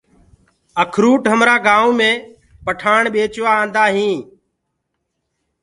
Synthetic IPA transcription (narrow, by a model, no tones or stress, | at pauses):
əkʰɾuːʈɦəmɾaːɡaːũːmẽː | pəʈʰaːɳɓeːt͡ʃʋãːnd̪aːɦĩː